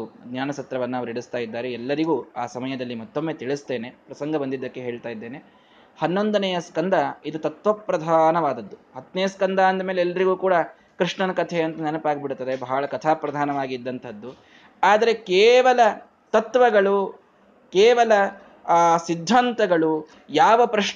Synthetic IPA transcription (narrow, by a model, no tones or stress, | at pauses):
uɡnjaːnɐsɐt̪ɾɐʋɐnːɐɐʋɐɾiɽust̪aːjid̪ːaːɾeɛlːɐɾiɡuːaːsɐmɐjɐd̪ɐlːimɔt̪ːomːeːt̪iɭust̪e̞ːne̞pɾɐsɐŋɡɐbɐnd̪id̪ːɐkːe̞ɦe̞ːɭt̪aːjid̪ːeːne̞ | hɐnːo̞nd̪ɐnejɐskɐnd̪ɐid̪ut̪ɐt̪ʋɐpɾɐd̪ʱaːnɐʋaːd̪ɐd̪ːuhɐt̪nejɐskɐnd̪aɐnd̪ɐmeːleɛlːɐɾiɡuːkuːɽɐ | kɾiʂɳɐnɐkɐt̪ʰeɐnt̪ɐnɛnɐpaːɡibiɽut̪ːɐd̪ebɐɦɐɭɐkɐt̪ʰaːpɾɐd̪ʱaːnɐʋaːɡid̪ːɐnt̪ʰɐd̪ːu | aːd̪ɐɾe̞keːʋɐlɐ | t̪ɐt̪ʋɐɡɐɭu | keːʋɐlɐ | sid̪ʱːant̪ɐɡɐɭu | jaːʋɐpɾɐʂ